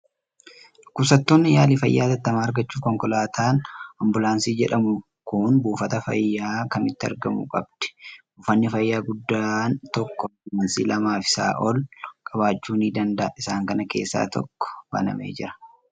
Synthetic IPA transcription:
kʊsɐt̪ːoːnːɪjaːlɪfɐjːaːt̪ɐt̪ːɐmaːɐɾɡɐt͡ʃːuːkɔŋkɔlaːt̪ʰaːnɐmbʊlaːnsiːd͡ʒɛᶑɐmʊ | kʊnbuːfɐt̪ɐfɐ̰jːaːkɐmɪt̪ːɪɐ̰ɾɡɐmṵkʼɐbd̪̥ɛ̥bʊfɐnːɪfɐjːaːɡʊd̪ːaːnt̪ɔkːɔmɐnsiːlɐmaːfɪ̥sa̰ːʔɔlkʼɐbaːt͡ʃːuːniːd̪ɐnd̪ɐʔɪsaːŋkɐnɐke̞̰ːsːa̰ːt̪ɔ̰kːɔ̥bɐ̰nɐ̰mḛːd͡ʒɪɾɐ̥

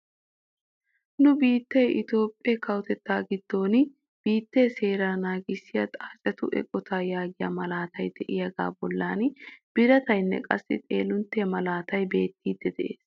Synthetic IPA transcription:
nʊbiːt̪ːɛjʔɪt̪o̞ːpʼːɛkʰɐwʊt̪ɛt̪ːaːɡɪd̪̥ːo̞ːn | b̥iːt̪ːɛjse̞ːɾaːnaːɡɪsːɪjɐt̪ʼaːt͡ʃʼɛt̪ʊʔɛ̰kʼːɔt̪ʰaːjaːɡɪjɐ̰mɐlaːt̪ɐjd̪ɛʔɪjɐɡa̰ːbɔlːaːnb̥ɪɾɐt̪ɐjnːɛ̰kʼɐsːɪ̰t̪ʼe̞̰ːlʊnt̪ːemɐlaːt̪ɐjbe̞ːt̪ːiːd̪ːɛd̪ɛʔe̞̰ːs

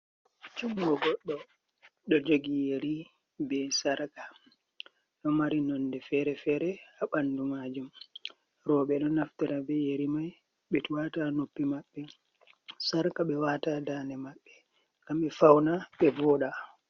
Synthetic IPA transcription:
t͡ʃumɡɔɡɔɗːɔ | ɗɔd͡ʒoɡijeɾi | bɛsaɾkḁ | ɗɔmaɾinɔndɛfɛɾɛfɛɾɛaɓandumaːd͡ʒum | ɾɔɓɛɗɔnaftɛɾabɛjeɾimaj | ɓɛtuwatanopːimaɓːɛ | saɾkaɓɛwatadaːnɛmaɓːɛ | kamɓɛfawnaɓɛvɔːɗa

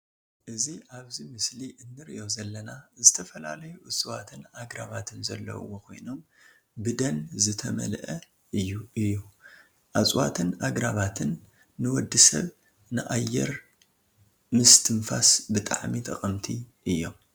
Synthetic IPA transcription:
ʔɨziʔaβzimɨsliʔɨnːɨɾḭʔo̞zɐlːɐnazɨt̪ʰɐfɐlalɐjuʔɨsʼɨwat̪ʰɨnʔaɡɾaβat̪ʰɨnzɐlːɐ̰wːokʰo̞̰jno̞m | bɨd̪ɐnzɨt̪ʰɐmɐ̰lʔɐ | ʔɨjːuɨjːu | ʔat͡sʼwa̰t̪ʰɨnʔaɡɾaβat̪ʰɨnː | ɨwɔd̪ːɨsɐ̰β | nɨʔajːɛ̰ɾ | mɨst̪ʰɨnfasbɨt̪ʼa̰ʕmit̪ʼɐχʼɐmt̪ʰiʔɨjːo̞̰m

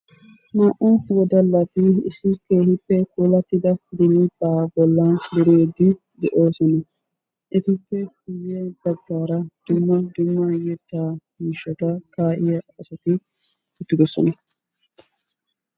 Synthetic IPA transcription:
maːʔɔwɔd̪ɐlːɐt̪ɪɪsːɪke̞ːhɪpːɛkuːlɐt̪ːɪd̪ɐd̪ɛlibaːbɔlːɐd̪ʊɾɪɛd̪ɪ | d̪ɛʔo̞ːsɔnɐ | ʔɪt̪ɪpːɛhʊjːɛbɐɡːaːɾɐd̪̥ʊmːɐd̪ʊmːɐjɛt̪ːaːmiːʃːɐt̪ɐkaːʔɪjɐɐsɐt̪ɪ | ʊt̪ːɪd̪ɔsɔ̰nɐ

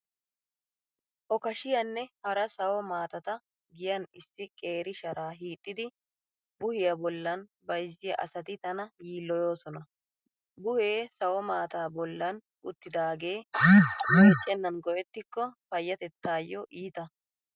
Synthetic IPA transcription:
ʔɔkɐʃɪjɐnːɛhɐɾɐsɐwɔmaːt̪ɐt̪ɐ | ɡɪjɐnɪsːɪkʼe̞ːɾɪʃɐɾaːɦiːt̪ʼːɪd̪ɪ | bʊhɪjɐbɔlːɐnbɐjzːɪjɐʔɐ̰sɐt̪ɪt̪ɐnɐjiːlːɔjoːsɔnɐ | bʊhe̞ːsɐwɔmaːt̪aːbɔlːɐn | ʔʊt̪ːɪd̪aːɡe̞ː | ɛt͡ʃʼːɛnːɐnɡɔʔɛt̪ːɪkːɔfɐjːɐt̪ɛt̪ːaːjːɔʔiːt̪ɐ

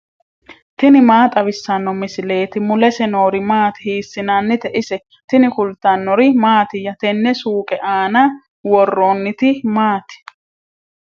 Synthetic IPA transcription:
t̪ɪnɪmaːt̪ʼɐβɪsːɐnːɔmɪsɪle̞ːt̪ɪmʊlɛsɛno̞ːɾɪmaːt̪ɪ̥hiːsːɪnanːɪt̪ɛʔɪsɛ | t̪ɪnɪfʊlt̪ːɐnːɔɾɪmaːt̪ɪjɐt̪ɛnːɛsuːkʼɛʔaːnɐ | wɔrːoːnːɪt̪ɪmaːt̪ɪ̥

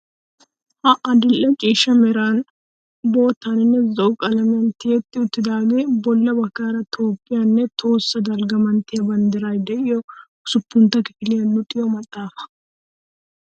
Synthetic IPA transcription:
ʔɐʔɐd̪ɪlːɛt͡ʃʼiːʃɐmɛɾaːn | bo̞ːt̪ːanɪnːɛzɔʔʊkʼɐlɐmɪjɐnt̪ɪjɛt̪ːɪʊt̪ːɪd̪aːɡeːbɔlːɐbɐkːaːɾɐt̪ʰo̞ːpʼːɪjanːɛt̪ʰo̞ːsːɐd̪ɐlɡɐmɐnt̪ɪjɐbɐnd̪ɪɾaːjd̪ɛʔɪjɔ | sʊpːʊnt̪ːɐkɪ̥fɪlɪjɐnːʊt̪ʼɪjɔmɐt̪ʼːaːfɐ̥

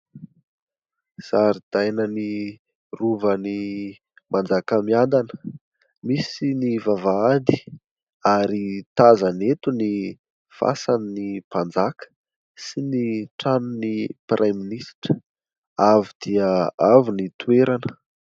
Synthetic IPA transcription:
z̥aɾid̪̥ajnəni | ruvəni | mʔand͡zakəmiand̪anə | misinivavaad̪i | aɾit̪azanet̪uni | fa̰saninipand͡zakʰə̥ | siniʈ͡ʂanuniprʔaminisʈ͡ʂə̥ | avid̪̥iəavinit̪ueɾanə

